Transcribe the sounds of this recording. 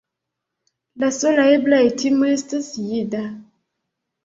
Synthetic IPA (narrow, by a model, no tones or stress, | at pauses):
lasolaeblaetʰimestəsijida